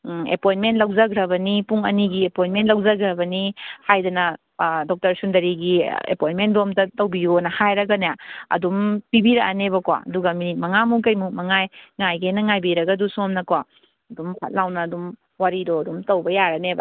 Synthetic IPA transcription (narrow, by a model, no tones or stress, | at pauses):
ḛpojnmentlɐwzɐɡɾɐbɐnipuŋɐ̰niɡiepojnmentlɐwzɐɡɾɐbɐnihajdɐnɐ | dɔk̚tɐɾsundɐɾiɡiḛpojnmendomtɐtɐwbijonɐhajɾɐɡɐnajaɐ̰dumpibiɾɐʔanebɐkwa̰ɐ̰duɡɐminit̚mɐŋamukɐjmumɐŋajŋajɡenɐŋajbiɾɐɡɐdusuŋɔmnɐkwa | ɐdumpʰa̰t̚lawnɐːdum | waɾidoɐdumtɐwbɐjaɾɐnebɐ̰